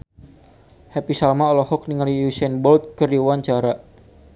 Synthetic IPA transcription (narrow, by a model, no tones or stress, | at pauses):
hɛpisalmaɔlɔhɔk̚niŋaliusɛnbɔlt̪̚kərdiwaɲt͡ʃaɾa